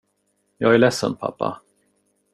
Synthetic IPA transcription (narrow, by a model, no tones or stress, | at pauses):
jɑːɡæɭɛsːə̰npʰa̰pːa̰